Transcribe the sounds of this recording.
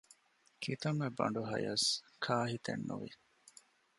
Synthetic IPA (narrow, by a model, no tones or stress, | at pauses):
kʰit̪ɐmebɐ̰ɳ̆ɖuɦɐjɐs | kʰaːɦit̪ḛnːṵʋḭ